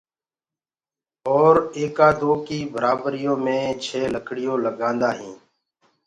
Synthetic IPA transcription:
ɔːɾeːkaːd̪oːkiːbəɾaːbɾɪjõːmẽːt͡ʃʰeːləkʰɽɪjõːləɡãːnd̪aːɦĩː

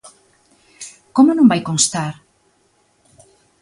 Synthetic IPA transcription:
komʊnõŋbajkonst̪aɾ

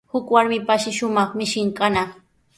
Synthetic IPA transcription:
hʊkwaɾmɪpaʃɪʃʊmɑχmɪʃɪŋkana

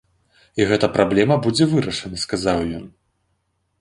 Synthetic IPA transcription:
iɣɛt̪ɐpɾʔablʲɛmɐbud͡zʲɛvɨɾɐʂɐnɐskazawjɔn

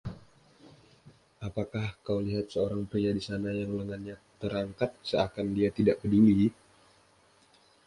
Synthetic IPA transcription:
ʔapakahkawliɦat̪̚səoɾaŋpɾiadisanajaŋləŋanɲat̪əɾaŋkat̪̚səakandiat̪idaʔkəduli

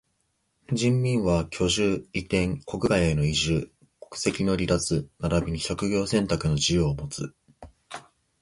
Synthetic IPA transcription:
d͡ʑĩmːʲĩɰ̃βakʲʰo̞ʑɨːit̪ẽ̞ŋko̞kɯ̟ɡajeno̞iʑɨː | ko̥kɯ̟̥se̞kʲino̞ɾʲid̪at͡sɨnaɾabʲiɲ̟iɕo̞kɯ̟ɡʲo̞ːsẽ̞nt̪akɯ̟no̞d͡ʑijoːmo̞t͡sɨ

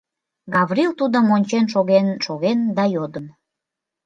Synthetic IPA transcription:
ɡɑβrilt̪ud̪əmonʲt͡ɕenʃoɣenʃoɣend̪ɑjod̪ən

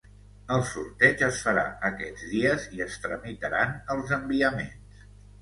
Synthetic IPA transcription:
əlˠsuɾt̪ɛd͡ʒəsfəɾa̰əkɛd͡zðiəziəst̪ɾəmit̪əɾanəlˠzəmbiəmens

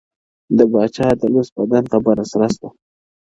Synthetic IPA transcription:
d̪əbɑt͡ʃɑd̪əlosbad̪ant̪abaɾasɾasd̪a

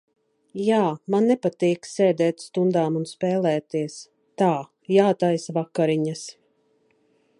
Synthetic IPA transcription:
jaːmanːɛpat̪iːksɛːd̪ɛːt̪st̪und̪aːmunspɛːlˠɛːt̪iɛs | t̪aː | jaːt̪ajsvakːaɾiɲas

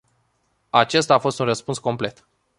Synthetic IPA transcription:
at͡ʃe̞st̪aːfo̞st̪unrəspunsko̞mple̞t̪

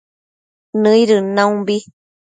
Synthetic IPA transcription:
nɨ̃iɾɯnãũbi

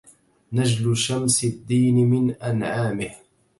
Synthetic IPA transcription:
nad͡ʒlʊʃamsɪd̪ːiːnɪmɪnʔanʕaːmɪh

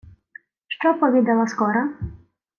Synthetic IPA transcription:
ʃt͡ʃɔpɔʋʲid̪ɛlˠɐskɔɾɐ

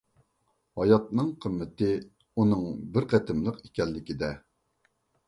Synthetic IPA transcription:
hɑjɑt̪̚nɨŋqʰəmːɪt̪ɪ | unɨŋbɪɾqæt̪ʰɪmlˠəqekʲɛlːɪkʲid̪ɛ

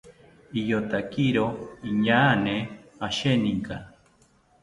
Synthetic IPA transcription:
ijot̪akiɾoiɲaːneaʃeniŋka

